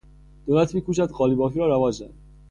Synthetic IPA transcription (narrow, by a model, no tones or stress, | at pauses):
d̪̥oːlæt̪ʰmiːkuːʃ̬æd̪ɢɒːlibɒːfiːɾɒːɾævɒːd͡ʒzænd̪